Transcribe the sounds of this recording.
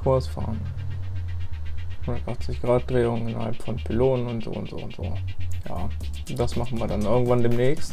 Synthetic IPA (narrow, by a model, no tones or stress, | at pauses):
kʰʊɐsfa̰ːɐn | hʊndɐtʔaχtt͡sɪçɡ̥ʁaːt̚d̥ʁeːʊŋənɪnɐ̰halpfɔnpʰɪloːnənʊntz̥o̰ːʊ̰ntz̥o̰ːʊntz̥o̰ːja̰ː | d̥asmaχn̩viːɐdanʔɪɐɡŋ̩tv̥andeːmnɛːçst